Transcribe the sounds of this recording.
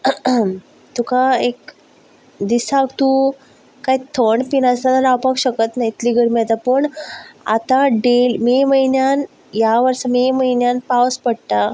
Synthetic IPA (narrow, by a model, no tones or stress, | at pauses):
t̪ukaek̚ | d̪isakt̪u | kait̪ʰəɳpinast̪at̪əɾawpakɕəkət̪najit̪liːɡəɾmiat̪apəɳa̰t̪ãɖelmeməinjan | jaʋəɾsəmeməɦinjanpaʋspəɽʈ̪a